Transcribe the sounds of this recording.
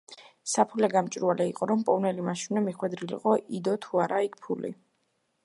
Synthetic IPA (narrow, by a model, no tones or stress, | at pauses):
sapʰulɛɡamt͡ʃʼɾualɛiqʼɔɾɔmpʼɔnɛlimaʃimɛmiχwɛd̪ɾilḭqʼɔʔid̪ɔt̪ʰuaɾaik̚ʰpʰulḭ